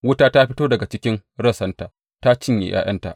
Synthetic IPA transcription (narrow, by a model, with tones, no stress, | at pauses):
wʊ˦taː˦ta˦ɸɪ˦toː˦dɐ˨ɡa˨t͡ʃɪ˦kʲɪ˦ŋɽɐ˦˨sɐ˦nta˨ | ta˦t͡ʃɪ˦ɲjḛ˨j̰ʔa̰ː˦j̰ɐ˦nta̰˨ʔ